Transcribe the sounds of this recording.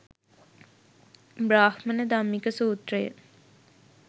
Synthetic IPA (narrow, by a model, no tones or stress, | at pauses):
bɾaːhmɐnəd̪amːikəsuːt̪rejə̰